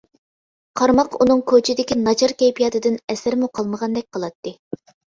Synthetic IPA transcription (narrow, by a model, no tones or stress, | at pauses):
qʰɑɾmɑqunɨŋkʰot͡ʃʰɪd̪ɪkʲinɑt͡ʃʰɑɾkʲɛjpʰijɑt̪ʰɨd̪ɪnɛsæɾmuqʰɑlˠməʁɑnd̪ɛk̚ʲqʰəlˠɑt̪ːɨ